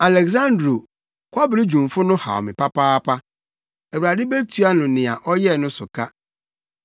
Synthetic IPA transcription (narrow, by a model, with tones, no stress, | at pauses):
a˨lɛ˨kzã˦ndɾo˨ | kʷʰa˦bɪ˨ɾɪ˦d͡ʑᶣũ˨m˨fʊ˦nʊ̃˦ha̰˨ɔ̰˨mɪ̃˨pa˦paː˦pʰa˦ | æ˨wu˨ɾa˨dɪ˦be˦tʰu˨a˦nʊ̃˨nɪ̃˨a˨ʔɔ˦jɛ˦˨nʊ̃˦sʊ˨ka˦